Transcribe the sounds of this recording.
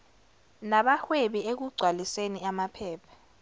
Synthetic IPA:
naɓaxweɓiek̬uɡ͡ǀʱwaliseniamapʰɛːpʰḁ

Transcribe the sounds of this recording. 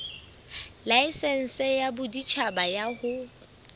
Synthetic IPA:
laɪsɛn̩sɛjabʊdit͡ʃʰabajahʊ

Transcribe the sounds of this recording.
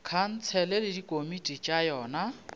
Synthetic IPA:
kʰan̩t͡sʰɛlɛlɪdikʼomitʼit͡ʃʼajɔːna

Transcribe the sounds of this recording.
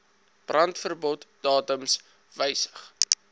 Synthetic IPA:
b̥rɐntfərbɔtd̥ɑːtəms | vəjsə̥χ

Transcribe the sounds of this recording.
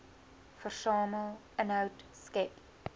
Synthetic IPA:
fərsɑːməlˠ | ənɦəwtskɛp

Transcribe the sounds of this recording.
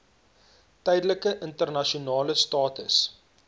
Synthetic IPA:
tɛjdələkəʔəntərnɐʃiunɑːləstɑːtə̰s

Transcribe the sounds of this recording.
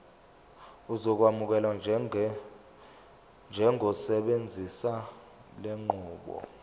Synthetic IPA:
uzɔk̬wamuk̬ɛlwa | nd͡ʒʱɛŋʱɔsɛɓend͡zʱisa | leŋ͡ǃʱuːɓɔ̰

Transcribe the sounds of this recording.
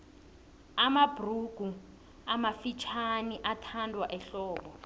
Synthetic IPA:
amabruɡ̥ʱu | amafit͡ʃʰaniʔatʰandʱwaʔɛɬɔːɓɔ

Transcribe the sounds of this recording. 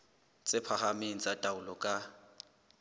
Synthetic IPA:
t͡sʼɪpʰaχameŋ̩t͡sʼatʼaʊlɔkʼa

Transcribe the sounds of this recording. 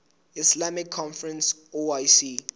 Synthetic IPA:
islamikʰːɔ̃nfɹɛ̃nsoajsi

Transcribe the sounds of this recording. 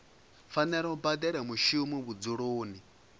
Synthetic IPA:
fanɛɺɛubad̪ɛɺɛmuʃumiβud͡zuɺoːni

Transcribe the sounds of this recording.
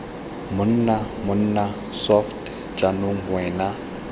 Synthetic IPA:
mʊn̩namʊn̩na | sɔft | t͡ʃʼanoŋ̩ŋwɛːna

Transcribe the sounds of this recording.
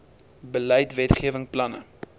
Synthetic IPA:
bələjtvɛtχiəvəŋplɐnə̰

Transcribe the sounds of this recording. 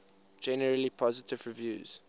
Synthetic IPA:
d͡ʒɛnəɹəlipʰɔzɪtʰɪvɹivjuːz̥

